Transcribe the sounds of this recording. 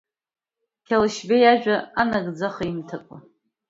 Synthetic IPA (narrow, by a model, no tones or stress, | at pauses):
kʲʰalʃbejaʒᶣaanaɡd͡zaχaimtʰakʷʼa